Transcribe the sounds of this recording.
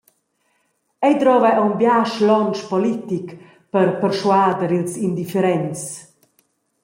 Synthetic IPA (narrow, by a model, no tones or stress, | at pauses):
ɛjd̪ɾɔvɛʔɔwmbjaʃlɔnt͡ʃpɔlit̪ik | pəɾpərʃwaːd̪əɾilsind̪ifɛɾɛnt͡s